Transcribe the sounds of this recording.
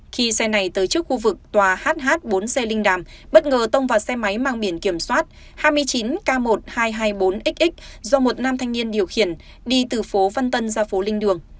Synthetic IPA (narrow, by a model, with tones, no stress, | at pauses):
xi˧sɛ˧na˨˩jt̪əː˨˦jt͡ɕɨ˦˥ək̚xu˧vɨ˨˩k̚t̪waː˨˩haː˦˥t̚ɦaː˦˥t̚ɓo˨˦nsɛ˧lï˧ŋ̟ɗaː˨˩mɓə˦˥t̚ŋəː˨˩t̪ə˧wŋ͡mvaː˨˩sɛ˧ma˨˦jmaː˧ŋɓi˧˩ənki˧˩əmswaː˦˥t̚ | haː˧jmɨ˧əjt͡ɕi˨˦nkaː˧mo˨˩t̚haː˧jɦaː˧jɓo˨˦nʔï˦˥k̚ʔï˦˥k̟̚zɔ˧mo˨˩t̚naː˧mt̪ʰa˧jŋ̟ni˧ənɗi˨˩əwxi˧˩ən | ɗi˧t̪ɨ˨˩fo˨˦va˧nt̪ə˧nzaː˧fo˨˦lï˧ŋ̟ɗɨ˨˩əŋ